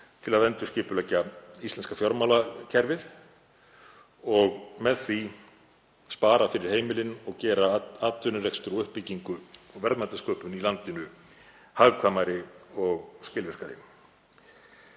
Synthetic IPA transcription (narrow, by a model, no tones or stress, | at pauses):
t̪ʰɪlaðɛnt̪ʏ̥scɪːpʏlɛːcːaist̪lɛnskafjɔɾmawlacʰɛɾvɪð | ɔɣmɛðθi | spaːɾafɪɾɪɾ̥heːjmɪlɪnɔɣcɛːɾaaːt̪ʏɾnʏrejkst̪ʏɾɔʏhpːɪcːiŋkʏɔɣvɛɾt̪mat̪askœːpʏnilant̪ɪnʏ | haɣkʰvaːmaɾɪɔɣscɪːlvɛr̥kaɾɪ̰